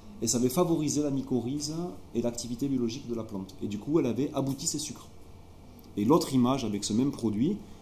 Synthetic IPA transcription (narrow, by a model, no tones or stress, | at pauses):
esavɛfavɔʁizelamikɔʁizelakt̪ivit̪ebjɔlɔʒikd̪əlaplɑ̃t̪ed̪ykuɛlavɛʔabut̪isesykχ | elɔt̪χimaʒavɛksəmɛmpχɔd̪ɥi